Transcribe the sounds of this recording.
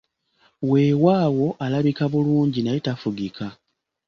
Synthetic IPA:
we̞ːwaːwo̞ʔalaβikaβuluːɲɟinajetafuɡikʰa

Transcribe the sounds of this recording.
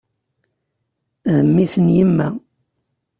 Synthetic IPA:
ðəmːisənjimːæ

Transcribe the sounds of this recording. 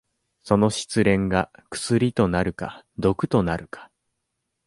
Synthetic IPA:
so̞no̞ɕi̥t͡sɨɾẽ̞ŋɡakɯ̟̥sɨɾʲit̪o̞naɾɯ̟ka̰d̪o̞kɯ̟̥t̪o̞naɾɯ̟kḁ

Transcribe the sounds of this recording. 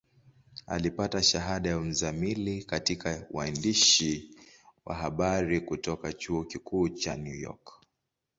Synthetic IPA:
a̰lipataʃaɦaɗajam̩zamilikatikaw̰andiʃi | wa̰ɦaɓaɾikutɔkat͡ʃuɔkikuːt͡ʃanjujɔ̰k

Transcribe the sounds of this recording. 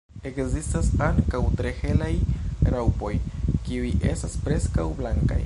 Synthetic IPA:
e̞kzistasaŋkawtɾe̞he̞lajɾawpo̞jkiuje̞̰staspɾe̞skawblaŋka̰j

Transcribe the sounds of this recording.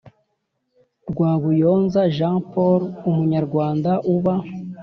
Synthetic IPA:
ɾɡwaːɡujo̞ːnzaʒãpoɾumuɲaɾɡwaːndaʔuβa

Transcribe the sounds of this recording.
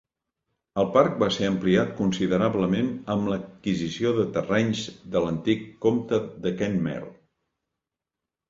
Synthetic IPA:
əlˠpaɾk̚baseəmpliat̪̚kunsiðəɾaβləmenəmləkizisioðət̪ərɛɲzd̪ələnt̪ikːomt̪əðəkɛnmɛ̰lˠ

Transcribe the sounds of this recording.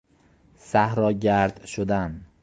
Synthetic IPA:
sahɾɒɡʲaɾd̪ʃʊd̪an

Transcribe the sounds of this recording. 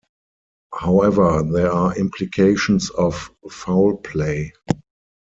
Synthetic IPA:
haʊɛvə˞ðɛaːʔɪ̃mpʰlikʰeɪʃə̃nsɔfːaʊlpʰleɪ

